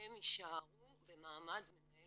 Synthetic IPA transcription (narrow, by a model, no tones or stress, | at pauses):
emiʃaaʁuvemaːmad̪menae